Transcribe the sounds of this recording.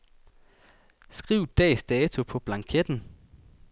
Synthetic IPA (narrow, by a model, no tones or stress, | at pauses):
sɡ̥ʁiʊ̰d̥ɛ̰ːsd̥ɛːt͡sʰupʰɒ̽b̥lɑ̈ŋkʰed̥n̩